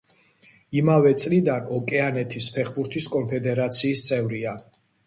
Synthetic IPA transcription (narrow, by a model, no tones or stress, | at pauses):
imavɛt̪sʼlid̪anɔkʼɛanɛt̪ʰispʰɛχbuɾt̪ʰiskʼɔmpʰɛd̪ɛɾat̪sʰiːst̪sʼɛvɾia